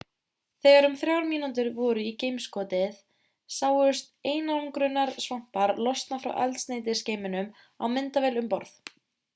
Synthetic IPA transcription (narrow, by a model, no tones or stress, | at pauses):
θɛːɣaɾʏmθɾjawɾmiːnant̪̬ʏɾvɔːɾʏicejmskɔːt̪ɪθ | saːwʏ̥st̪eːjnaɔŋkɾʏnːaɾ̥svam̥paɾlɔst̪nafɾa̰wʔa̰lt̪st̪neːjt̪̬ɪ̥sceːjmɪnʏm | a̰wmɪnt̪avɛːlʏmpɔɾθ